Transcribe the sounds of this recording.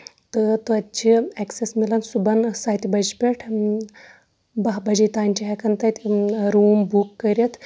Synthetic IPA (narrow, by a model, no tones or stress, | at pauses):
t̪ɨt̪ɨɐtt͡ʃʰieksesmilɐnsubɐnsɐːjt̪ʲibɐd͡ʒpʲeʈʰ | bɐɦbɐd͡ʒit̪aːnʲt͡ʃʰiɦɐkɐnt̪ɐt̪ʲɾuːmbukːɐɾjɐt̪ʰ